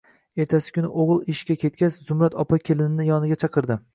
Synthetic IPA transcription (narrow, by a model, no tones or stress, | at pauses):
e̞ɾt̪ʰasɪ̥kʲʊnɪʔoʁɨlˠɪʃkʲakʲe̞t̪̚kʲaszʊmɾat̪ɒpakʲʰelɪnɪnɪjɒnɪɡʲat͡ʃʰɑqʰɨɾd̪ɪ